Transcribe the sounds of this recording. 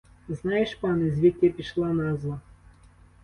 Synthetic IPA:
znajɪʂpanɨzʲvʲet̪ʲːepʲɪʂlˠanazlˠa

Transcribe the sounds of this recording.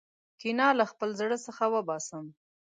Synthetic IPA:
kinɑlaxpəlzɽəsəxawəbɑsəm

